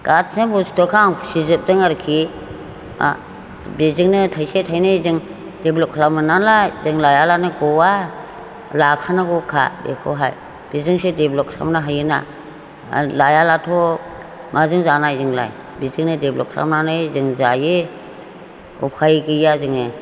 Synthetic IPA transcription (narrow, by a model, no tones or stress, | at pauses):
ɡ̥at̚sebɔstɔkʰaŋsizɯp̚dɯŋaɾkʰi | a̰ | bezɯŋnɯtʰajsetʰajnɯzɯŋ | deblɔp̚kʰlamɯnalazɯŋlajalanɯɡɔwa | lakʰanaɡɔkʰa̰bḛkʰɔ̰ɦaj | b̥izɯŋsedeblɔkʰla̰mnɯɦajɯna̰ | lajalatʰɔ | mʔazɯŋzanajzɯŋla̰j | bizɯŋnɯdeblɔ̰p̚kʰla̰mnanɯjzɯŋzaje | ṵpʰajɡijazɯŋɯ